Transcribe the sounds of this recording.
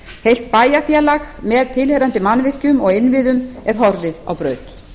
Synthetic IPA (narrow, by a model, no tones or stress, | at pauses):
hejl̥t̪̚paːjafjalaɣmɛðt̪ʰɪlhœɾant̪ɪmanːvɪr̥cʏmɔɣɪnvɪðʏmɛɾ̥ɦɔɾðɪða̰wpɾœːɥt̪